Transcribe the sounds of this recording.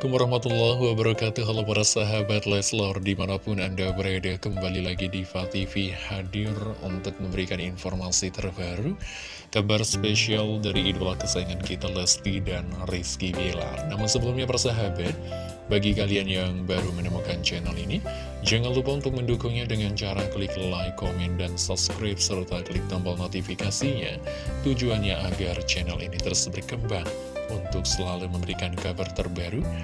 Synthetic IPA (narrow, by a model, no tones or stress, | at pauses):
kʊmɾahmat̪ulaɦwabəɾkat̪uɦalawpaɾasaɦabat̪lɛslɔrdimanapʊnandabəɾadakəmbalilaɡidifat̪ifihadɪrṵnt̪ʊk̚məmbəɾikaninfɔrmasit̪ərbaɾu | kabarspeʃialdaɾiːdulahkəsaiŋankit̪alɛskidanriskibela̰rnamʊnsəbəlumɲapaɾasaɦabat̪̚ | baɡikalianjaŋbaɾumənamukant͡ʃɛnalini | d͡ʒaŋanlupaunt̪ʊk̚məndukʊŋɲadəŋant͡ʃaɾakəlikllajkomɛndansɔp̚skɾap̚səlut̪akəlɪk̚t̪ambɔlnot̪ifikasiɲa | t̪ud͡ʒuanɲaʔaɡart͡ʃɛnalinit̪əɾsbərkəmbaŋ | unt̪ʊk̚səlaluməmbəɾikankabərt̪ərbaɾu